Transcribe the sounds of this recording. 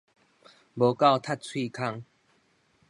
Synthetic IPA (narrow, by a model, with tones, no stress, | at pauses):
bo˨˧ka˥˧wt̪ʰa˥˧t̚t͡sʰwi˥˧˨kʰa˧ŋ